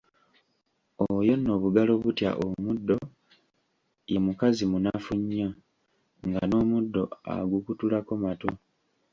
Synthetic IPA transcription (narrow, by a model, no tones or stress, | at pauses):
ojo̞nːo̞ːβuɡalo̞βutja̰ʔomudːo̞ | je̞mukazimunafuɲːo | ŋɡano̞ːmudːo̞a̰ɡukutulakomato